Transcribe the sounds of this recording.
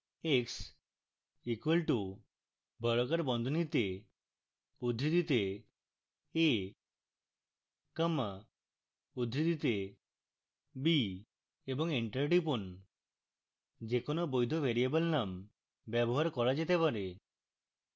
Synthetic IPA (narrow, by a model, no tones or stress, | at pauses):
eks | ikwelʈu | bʱəɭɔkaɾbɔnd̪ʱonit̪e | ud̪ʱɾid̪it̪e | e | kəma | ud̪ʱɾid̪it̪e | bi | ebɔŋiɳʈəɾʈipun | d͡ʒekonobojd̪ʱobʱeɾiabəlnam | bɛbɔɦaɾkɔɾad͡ʒet̪epaɾe